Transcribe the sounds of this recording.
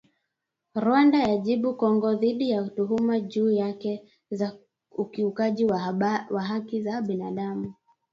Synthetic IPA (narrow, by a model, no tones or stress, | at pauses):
ɾwandajaʄiɓukɔŋɡɔðiɗijatuɦumaʄuːjakɛ | ukiukaʄiwaɦakizaɓinaɗamu